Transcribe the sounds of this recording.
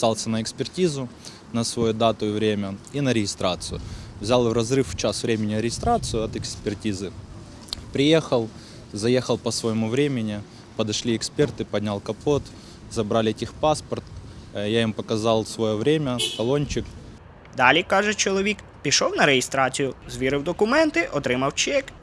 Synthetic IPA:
sɑlˠsʲɐnəɪkspʲɪrtʲizʊ | nɐsvɐjud̪at̪ʊvɾʲemʲɐinəɾʲɪjɪst̪ɾat̪sɨjʊ̰vzʲalˠvrɐzrɨft͡ɕasvɾʲemʲɪnʲɪɾʲɪjɪst̪ɾat̪sɨjʊɐt̪ɪkspʲɪrtʲizɨ | pɾʲɪje̞xɐlˠ | zɐjexɐlˠpɐsvəjɪmuvɾʲemʲɪnʲɪ | pɐd̪ɐʂlʲiɛkspʲert̪ɨpɐd̪ʲnʲalˠkɐpot̪ | zɐbɾalʲɪɛtʲixpaspɐrt̪jaimpɐkɐzɑlˠsʋɔjovɾʲemʲɐkɐlˠonʲt͡ʃɪk | d̪ɑlʲikɑʒɛt͡ʃɔlˠɔʋʲik | pʲiʃɔwnɐɾejɪst̪ɾɑt͡sʲijʊzʋʲiɾɪwd̪ɔkʊmɛnt̪ɪʔɔt̪ɾɪmɐwt͡ʃɛk

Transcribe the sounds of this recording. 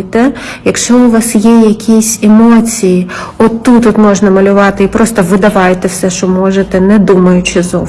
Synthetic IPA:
t̪ɛ | jɐkʃt͡ʃɔʊʋɑsjɛjɐkʲʰisʲemɔt͡sʲiji | ɔt̪ːutt̪ːut̪mɔʒnɐmɐlʲʊʋɑt̪ɪipɾɔst̪ɔʋɪd̪ɐʋɑjet̪ɛwsɛʃt͡ʃɔmɔʒet̪ɛnɛd̪umɐjʊt͡ʃɪzɔ

